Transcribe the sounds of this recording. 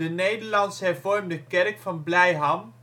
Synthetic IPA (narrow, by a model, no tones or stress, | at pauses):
ənejdəɹlɑnsɦɛɹvɔɹmdəkɛrkfɑnblɛjɦɑm